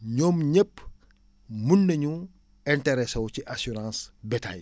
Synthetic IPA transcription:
ɲɔːmɲəpː | munːɐɲu | ɛntɛɾɛsɐwciʔasuɾãːnsbɛta̰j

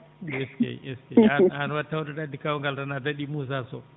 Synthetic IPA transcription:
ɛskɛ̰ɛskɛaanwatːawɗɔɗadːikawuŋɡaldanadaɗimuːs̬asɔ

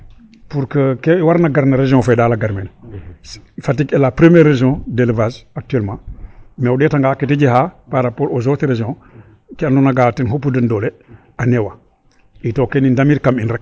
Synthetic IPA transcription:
puɾkəkewaɾnaɡaɾnaɾeʒjɔ̃fadaːlaɡaɾmen | fatikelapɾəmeɾːeʒjɔ̃delvazak̚tyɛlmãːmeudetaŋɡaketid͡ʒiɦapaɾapolozoteɾeʒijɔ̃ | kiandunaɡatenɦupːudəndole | anewa | itokenindamiɾkaminɾɛk̚

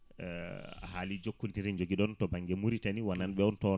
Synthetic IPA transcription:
halid͡ʒokːuitiɾɛnd͡ʒoɡiɗɔntɔbaŋɡɛmuɾitaniwananɓɛɔntɔ

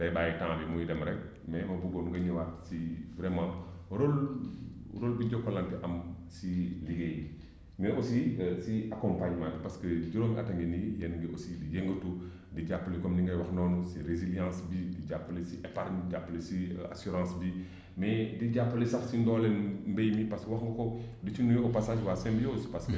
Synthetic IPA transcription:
b̥ɐjbaːjitãŋmbimujidɛmɾɛk̚ | mɛmɐbuɡonuŋɡɐɲiwatsivɾɛmã | ɾol | ɾolbiɟɔkːɔlantiʔɐm | siliɡeji | mʔosisiakɔmpaɲmãntpaskəd͡ʒuɾomʔa̰taŋɡinijɛnɡiʔosidijeŋɡətu | diɟapːlikɔmndiŋɡɐjwɐxnɔːnɔsiɾeziljɑ̃sbidiɟapːəlisiʔɛpaɾɲɟapːlisia̰suɾɑ̃ːsbi | mɛdiɟapːəlisɐxsindɔlɛnmbɛjmipɐskwɐxŋɡɔkɔ | dit͡ʃunujɔpasaːʃwaːsɛ̃mbijoːspɐskə

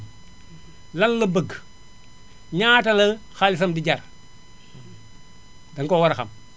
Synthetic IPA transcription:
lɐŋlɐbɐɡ | ɲaːtɐlɐxalɪsɐmdiɟɐr | dɐŋkɔːwɐɾɐxɐ̰m

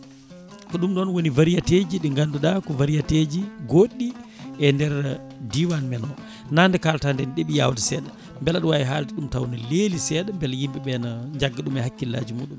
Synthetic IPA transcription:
kɔɗumɗɔnwonivaɾijated͡ʒiɗiŋɡanduɗakɔvaɾijated͡ʒiɡoɗːi | ɛndɛɾ | diwanmɛnɔ | nandɛkaltandɛnɗeɓijawdisɛːɗa | mbɛlaɗɔwajiɦaːltiɗumtawnaleːlisɛːɗambɛljimɓɛɓɛnaɲd͡ʒaɡːaɗumɛhakːilːa̰ːd͡ʒimuːɗum

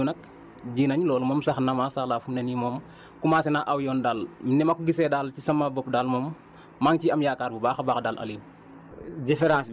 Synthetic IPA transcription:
unɐk̚ | ɟiːnɐɲlɔːlmɔːmsɐxnamasaxlaːfumnenimɔːm | kumaːsinaʔawjɔːndaːlminɛmakuɡisɛːdalcisɐmabɔp̚daːlmɔːmː | aŋciɐmjaːkaːɾbubaːxabaːxdaːlʔa̰lim | difeɾãːs

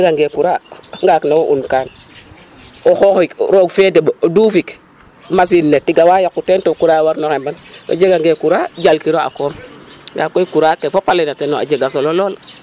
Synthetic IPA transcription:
ɡaŋɡekuɾaŋɡaknawoʔunkaːn | oxoxikɾokfed̬ebooduːfik | mas̬inːetiɡawajakːutentokuɾawaɾnoxembanwa̰d͡ʒeɡaŋɡekuɾad͡ʒalkiɾoa̰koːmŋɡakːokuɾakefopalenatenoa̰d͡ʒeɡas̬ololola

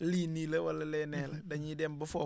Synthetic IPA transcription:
liːnilɐwɐlːɐlɛːnɛːlɐdɐɲidɛmbɐfɔː

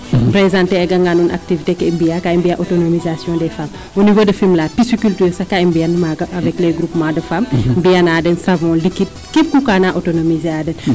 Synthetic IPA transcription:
pɾɛzãnteɛɡɐŋɡanunʔa̰k̚tivitekɛimbiakaimbijaʔɔtonomizasjɔ̃ndɛfam | wonivodɐfimlaːpisukyltyːɾsɐkaimbiɐnmaɡɐʔɐvɛklɛɡɾupmadɐfammbiɐnaːdɛnsɐvɔ̃ːlikit̚kip̚kukanaʔotonomizaːdɛn

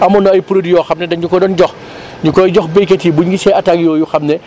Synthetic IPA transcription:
ɐmɔnɔɐjpuɾodijɔːxɐmnɛdɐɲukɔdɔnɟɔx | ɲukɔjɟɔxbekɐtibuɲɡisɛʔɐtaɡjɔːjuxɐmnɛ

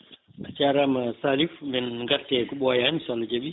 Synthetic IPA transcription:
ʔat͡ʃaɾamasalifmɛnŋɡaɾtɛɡɔɓɔjanisɔlːɔd͡ʒaɓi

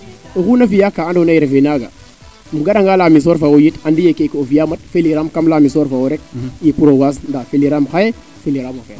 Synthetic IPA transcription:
uxunavijakaandonajiɾvenaɡa̰ | muɡaɗaŋɡalamis̬oɾfawojitandijekekaovijamatfeliɾamkamlamisoɾfawoɾek̚jipuɾowas̬ndafeliɾamxaje | feliɾamofa

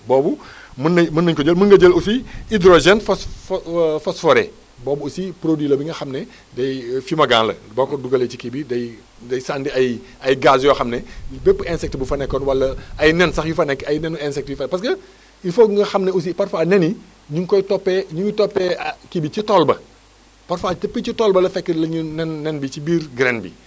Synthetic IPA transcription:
bɔːbu | mənːmɐnːɐɲkɔɟəlməŋɡɐɟəlusiidɾoʒɛnfɐs | fɐsfɔɾɛ̰ | bɔːbuusipɾodwilɐbiŋɡɐxɐmnɛ | dɐjfimɐɡã̰ːnlɐ̰bɐkɔduɡɐlet͡ʃikibidɐj | dɐjsaːndiɐj | ɐjɡaːsjɔxɐmnɛbɛpːɛnsɛk̚tbufɐnɛkːɔnwɐlːɐɐjnɛnsɐxjufɐnɛkɐjnɛnuɛnsɛk̚tjufɐnɛpɐskɐ | ifokŋɡɐxɐmnɛus̬ipɐrfaːnɛni | ɲuŋkɔjtɔpːɛɲuɲutɔpːɛkibit͡ʃitɔlbɐ | pɐrfaːtɐpːit͡ʃitɔlbɐlɐfɛkːəlɐɲunɛnːɛnbit͡ʃibiːrɡɾɛnbḭ

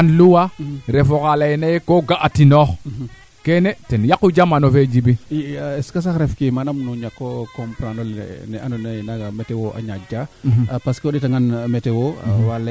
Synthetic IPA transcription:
anluwaɾefokalajenajekoɡaʔatinox | kenetenjakud͡ʒamanofed͡ʒibieskas̬akɾefkimanamnuɲakːokompɾanol̰neanonenaɡametewoʔa̰ɲad͡ʒapaskoɗitaŋɡanmetewowal

